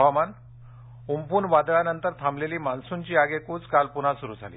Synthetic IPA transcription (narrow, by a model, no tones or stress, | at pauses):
ɔman | umpuːnʋad̪ɭanənt̪əɾt̪ʰamleliːmansuɲt͡ɕiːaɡekuːt͡skalpun̤asuɾuːd͡zʱa̰lḭː